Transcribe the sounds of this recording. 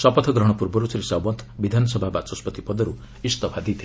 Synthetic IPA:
sʌpʌt̪ʰʌɡɾʌɽ̃purbʌɾut͡sɾisawbʌnt̪ʰbid̪ʱansʌbʱabat͡sɔspʌt̪ipɔd̪ʌɾu | ist̪ʌpʰad̪it̪ʰ

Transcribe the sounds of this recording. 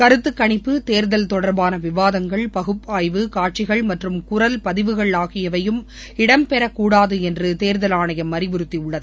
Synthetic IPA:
kɐɾɯt̪ːɯkːɐɳɪpːɯt̪eːɾðɐlt̪ɔɽɐɾbaːnɐʋɪʋaːðɐŋɡɐɭpɐɣɯpːaːjʋɯkaːʈ̚t͡ʃɪɣɐɭmɐʈrɯmkʊɾɐlpɐðɪʋɯɣɐɭaːɣɪjɐʋɐjɯm | ɪɽɐmpɛɾɐkːuːɽaːðɯɛndrɯt̪eːɾðɐlaːɳɐjɐmːɐɾɪʋʊɾɯt̪ːiʊɭːɐðɯ

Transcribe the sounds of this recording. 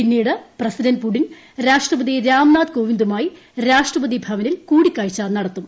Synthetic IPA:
pinːijɽɨprɐsidɐnpuɽin | ɾaːʂʈrɐbɐðiɾaːmnaːd̪koːʋind̪umaːji | ɾaːʂʈrɐbɐðibʱɐʋɐnilkuːɽikʲːaːɻit͡ɕːaːnɐɽɐt̪ːum

